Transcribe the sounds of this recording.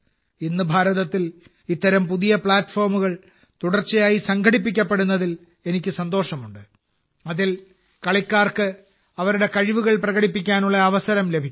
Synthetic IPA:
inːɨbʱaːɾɐðɐt̪ːil | it̪ːɐɾɐmpuðijɐpɭaːʈːfoːrmuɣɐɭ | t̪uɽɐrt͡ɕːɐjaːjisɐŋɡʱɐɽipːikʲːɐpːɐɽunːɐðil | e̞nikʲːɨsɐnd̪o̞ːʂɐmuɳɖɨ | ɐðil | kɐɭikːaːrkɨ | ɐʋɐɾuɽe̞kɐɻiʋuɣɐɭprɐɣɐɽipːikʲːaːnuɭːɐːʋɐsɐɾɐmle̞bʱikʲː

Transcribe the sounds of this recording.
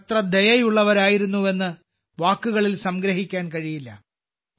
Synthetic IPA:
t̪rɐd̪ejɐjuɭːɐʋɐɾaːjiɾunːue̞nːɨ | ʋaːkːuɣɐɭilsɐmɡɾɐɦikʲːaːnkɐɻijilːɐ̰

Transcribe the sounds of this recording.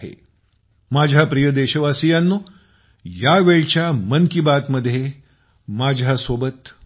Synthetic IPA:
ḛ | mad͡ʑʱapɾijəd̪eɕəʋasijanːu | jaʋeɭt͡ɕjamənkibat̪məd̪ʱːje | mad͡ʑʱasobət̪

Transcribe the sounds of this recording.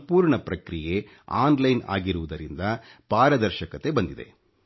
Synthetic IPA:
puːɾɳɐpɾɐkɾije̞ | aːnlɐjna̰ːɡiɾuʋud̪ɐɾind̪ɐpaːɾɐd̪ɐɾʃɐkɐt̪e̞bɐnd̪id̪e̞̰

